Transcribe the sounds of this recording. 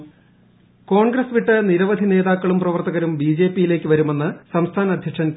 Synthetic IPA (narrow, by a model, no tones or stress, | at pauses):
ko̞ːɳɡɾɐsʋiʈːɨniɾɐʋɐd̪ʱine̞ːðaːkːɐɭumprɐʋɐrt̪ɐɣɐɾumbiːd͡ʑe̞ːpːijile̞ːkːɨʋɐɾume̞nːɨsɐmst̪ʰaːnɐd̪ʱjɐkʂɐn